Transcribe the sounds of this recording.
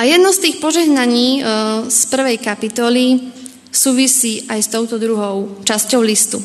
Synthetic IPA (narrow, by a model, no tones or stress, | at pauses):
ajɛd̪nɔst̪iːxpɔʒɛɦnaɲiːspr̩ʋɛjkapit̪ɔli | suːʋisiːʔajst̪ɔʊt̪ɔd̪ɾuɦɔʊt͡ʃascɔʊlist̪u